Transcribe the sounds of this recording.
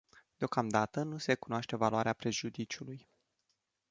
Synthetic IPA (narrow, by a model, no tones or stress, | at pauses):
d̪̥eo̞kamd̪at̪ənusekunoaʃt̪e̞valuaɾeapɾe̞ʒud̪it͡ʃuluj